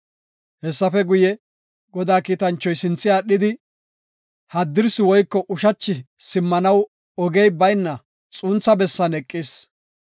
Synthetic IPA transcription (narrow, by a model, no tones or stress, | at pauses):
hɛsːɐfɛɡʊjɛ | ɡɔd̪aːkiːt̪ɐnt͡ʃːɔjsɪnt͡sːɪaːɗɪd̪ɪ | hɐd̪ːɪɾsɪwɔjkːɔʔʊʃɐt͡ʃːɪsɪmːɐnɐw | ɔɡɛjbɐjnːɐ | t͡sʼuːnt͡sːɐbɛsːɐnɛkʼːiːs